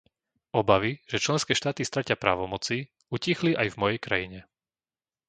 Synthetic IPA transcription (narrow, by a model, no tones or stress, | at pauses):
ɔbaʋiʒ̥ɛt͡ʃlɛnskɛːʃt̪aːt̪ist̪ɾacɪapɾa̰ːʋɔmɔt͡si | ucixliʔajvmɔjɛjkɾajiɲɛ